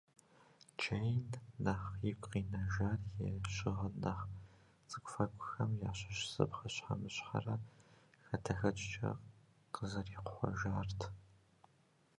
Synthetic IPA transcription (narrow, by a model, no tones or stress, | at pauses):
t͡ʃʰejnːaːχjɪkʷʼqiːnɐʒaːrjɛɕɪʁɐnaχ | t͡sʼɨkʷʊfɐkʷʼʊxɐmjaːɕɐʃsɨ̰pχɐɕħa̰mɨɕħa̰rɐxɐtʰɐxɐt͡ʃʼt͡ʃʼɐ̰ | qəzɐriːqʷʊχʷɔ̰ʒaːrtʰ